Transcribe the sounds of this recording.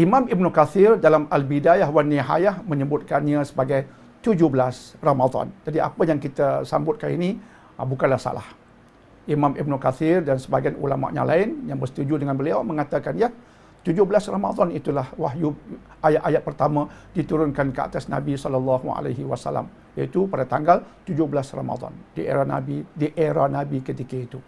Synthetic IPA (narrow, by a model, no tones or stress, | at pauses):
ʔimãmibnukaθɪrdalamalbidajahwaniɦa̰jahmə̃ɲəbʊt̪̚kanɲãsəbaɡaj | t̪ud͡ʒʊhbəlasromad̪ɔ̰nd͡ʒadia̰pəjaŋkit̪asa̰mbʊt̪̚kanḭni | bukanlahsa̰la̰h | ʔimãmʔibnukaθɪrdansəbaɡanʔṵlama̰ʔɲa̰lʔa̰ɪnjaŋbərsə̥t̪ud͡ʒudəŋanbəliawmə̃ŋat̪akanja | t̪ud͡ʒʊhbəlasrama̰d̪ɔnit̪ulahwaɦju | ajaʔajat̪̚pərt̪amãdit̪uɾʊnkankəa̰t̪asna̰bisɔlalːɑɦua̰laɦiwasa̰la̰m | jait̪upadat̪aŋɡalt̪ud͡ʒʊhbəlasra̰ma̰d̪ɔ̰ndiḛɾana̰bidiʔeɾanabikət̪ikait̪u